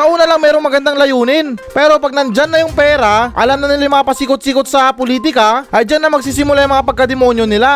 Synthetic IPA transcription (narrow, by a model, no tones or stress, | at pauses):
kɐʔuːnɐlɐŋmɛːɾo̞ŋmɐɡɐnd̪aŋlɐjuːnɪnpɛːɾo̞pɐɡ̚nɐnd͡ʒanːɐjʊŋpɛːɾaʔɐ̰lamnɐnɪlajʊŋmɐŋapɐsiːkot̪̚siːkot̪̚sɐpoliːt̪̬ɪkɐʔɐjd͡ʒanːɐmɐɡ̚siːs̬ɪmʊlajɐŋmɐŋapɐɡ̚kːɐd̪ɛmo̞njo̞nɪla